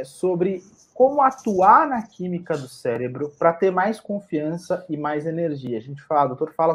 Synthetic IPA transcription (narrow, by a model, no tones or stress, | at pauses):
sobɾɪ | kõmʊat̪uaɾnɐkʰĩmikɐd̪ʊsɛɾebɾʊpɾɐt̪eɾmajskõfiɐ̃sɐɪmajzeneɾʒiɐːʒẽnt͡ʃɪ̥falad̪owt̪oɾfalɐ